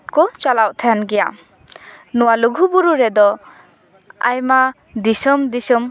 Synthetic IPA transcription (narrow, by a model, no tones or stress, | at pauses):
t̚kɔt͡ʃalawʔt̪ʰajanɡɛja̰ | nuwaluɡʱubuɾuɾɛd̪ɔ | a̰jma | d̪isɔmd̪isɯm